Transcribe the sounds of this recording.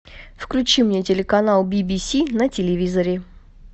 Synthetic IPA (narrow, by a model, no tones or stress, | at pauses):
fklʲʉt͡ɕimnʲetʲɪlʲɪkɐnalˠbʲibʲisʲinətʲɪlʲɪvʲizəɾʲɪ